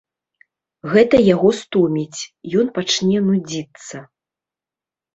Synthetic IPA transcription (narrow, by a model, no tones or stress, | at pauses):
ɣɛt̪ɐjaɣɔst̪umʲit͡sʲjɔnpat͡ʂnʲɛnud͡zʲit̪sːɐ